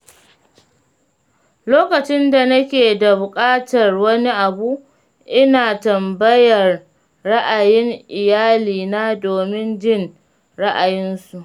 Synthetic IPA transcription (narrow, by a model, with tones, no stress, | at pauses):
loː˦kɐ˨t͡ʃɪ˦nda˨nɐ˦kʲeː˨da˨bʊ˨kʼaː˦tɐ˨rwɐ˦ni˦ʔa˨bu˦ | ʔɪ˦naː˨tɐ˨mbɐ˦jɐ˨rː | ɐ˦ʔa˨jɪ˦ŋʔɪ˨jaː˦liː˨naː˦doː˨mɪ˦nd͡ʒɪ˦n | ɽa˦ʔa˨jɪ˦nsu˨ʔ